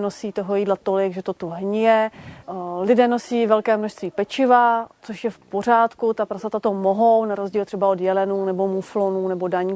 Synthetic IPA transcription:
nosiːt̪o̞ɦojiːdlat̪olɪɡʒɛt̪ot̪uɦɲɪjɛ | lɪdɛːno̞siːvɛlkɛːmnoʃst̪viːpɛt͡ʃɪvat͡soʃjɛfpo̞r̝aːt̪kut̪apɾasat̪at̪omoɦo̞wnaɾozɟiːlt̪r̥ɛbao̞djɛlɛnuːnɛbo̞muflonuːnɛbo̞daɲiː

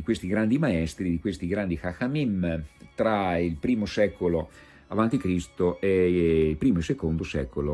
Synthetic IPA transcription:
ikwest̪iɡɾand̪imaɛst̪ɾid̪ikwest̪iɡɾand̪ixaxamimt̪ɾailpɾiːmosɛkolo | avant̪ikɾist̪oʔeilpɾiːmoelsekond̪osɛ̰ːkolo

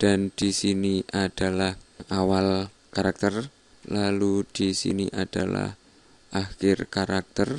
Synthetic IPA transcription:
d̥and̪̥isiniʔad̥alahawal | kaɾak̚t̪ər | lalud̥isḭniʔad̥ala̰h | ʔaxɪrkaɾak̚t̪ər

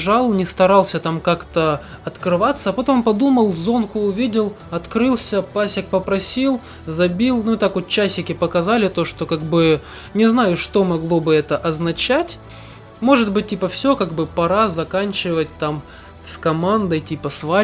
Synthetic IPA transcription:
ʐalˠnʲɪst̪ɐɾɑlˠsʲət̪amkakt̪ə | ɐt̪kɾɨvat̪sːəːpɐt̪o̞mpɐd̪uməlˠzo̞nkʊːvʲidʲɪlˠ | ɐt̪kɾɨlˠsʲəpasʲɪk̚pəpɾɐsʲilˠ | zɐbʲilˠnuɪt̪akot̪̚t͡ɕːæsʲɪkʲɪpəkɐzalʲɪt̪o̞ʂt̪okaɡbɨ | nʲɪznajʊʂt̪o̞mɐɡlˠo̞bɨɛt̪əʔɐznɐt͡ɕætʲ | mo̞ʐɨd̪̚bɨt̚ʲtʲːipəfsʲɵkaɡbɨpɐɾazɐkanʲt͡ɕɪvət̚ʲt̪am | skɐmand̪əjtʲipəsva

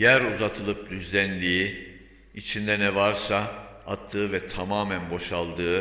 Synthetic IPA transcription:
jæɾuzat̪ʰɯlˠɯp̚d̪yzlʲænd̪iː | it͡ʃʰind̪ɛnɛvaɾsaat̪ʰːɯːvɛt̪ʰamaːmænbo̞ʃalˠd̪ɯː

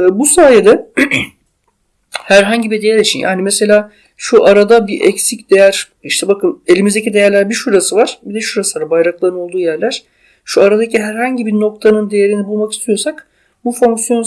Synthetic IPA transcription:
busaːjed̪ɛ | hæɾɦaɲɟibid̪ejæɾʲit͡ʃʰinja̰ːnimese̞lʲaː | ʃuʔaɾad̪abiʔɛcsicd̪e̞jæɾ̥ | iʃt̪ʰɛbakɯne̞lʲimizd̪ecʰid̪e̞jæɾlʲæɾbiʃuɾasɯvaɾ̥bid̪ɛʃuɾasɯvaɾbajɾaklˠaɾɯno̞lˠd̪uːjæɾlʲæɾ̥ | ʃuaɾad̪aciɦæɾhaɲɟibino̞k̚t̪ʰanɯnd̪eje̞ɾinibulˠmaki̥st̪ʰijo̞sak | bufo̞ŋksjo̞n

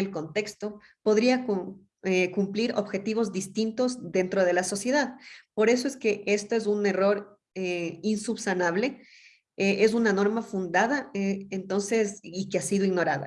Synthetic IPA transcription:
elko̞nt̪e̞kst̪o̞ | po̞ðɾiak | ekumpliɾo̞βxe̞t̪iβo̞zðist̪int̪o̞zðe̞nt̪ɾo̞ð̞e̞laso̞sje̞ðaðpo̞ɾe̞s̬o̞e̞ske̞ʔe̞st̪o̞e̞sune̞ro̞ɾ | einsuβsanaβ̞le̞ | eʔe̞sunano̞ɾmafund̪aðaent̪o̞nse̞sikeasiðoiɣno̞ɾaða̰

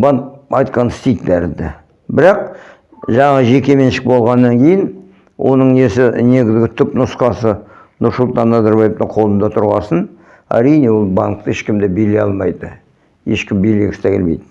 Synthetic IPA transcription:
bɑŋkɑjt̪̚qɑnɪst̪ejd̪d̪æɾɪnd̪ɪ̰ | bɪɾɑq̚ | ʒɑɴɑʁəʒe̞kʲe̞me̞nʃɪk̚bo̞lˠʁɑnːɑŋkʲʰe̞jɪn | wʔo̞̰nəɴnesɪne̞ɡʲɪzɡʲɪt̪ʰʏpnʊsqɑsə | nʊɾsʊlˠt̪ɑnːɑzɑɾbɑje̞vt̪əɴqʰo̞lˠənd̪ɑt̪ʰʊɾʁɑsən | æ̰ɾijne̞wo̞lˠbɑŋk̚t̪əeʃkʲɪmd̪ebelejɑlˠmɑjd̪ə | je̞ʃkʲɪmbeleɡʲɪst̪ækʲelmejd̪ɪ

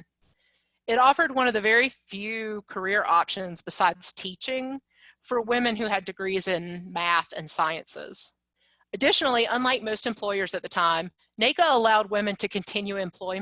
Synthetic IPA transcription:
ɨɾɔfə˞d̚wʌ̃ñʌvðɨvɛɹifjʉkʰə˞ɪɹʔɑpʃɨ̃nzbɨsaɪd̪̚z̥tʰit͡ʃɪ̃ŋ | fə˞wɪ̃mɨ̃nɦʉɨdɨɡɹizɪ̃nmæθɨ̰̃nsaɪɨ̰̃nsɪ̰z̥ | ɨdɪʃnl̩ˠiʔə̃nlaɪk̚moʊstɨ̃mpʰl̥ɔɪə˞zɨt̪̚ðɨtʰãɪ̃m | neɪkəəlaʊd̚wɪ̃mɨ̃ntʰɨkʰɨ̃ntʰɪ̃njʉɨ̃mpʰl̥ɔɪ

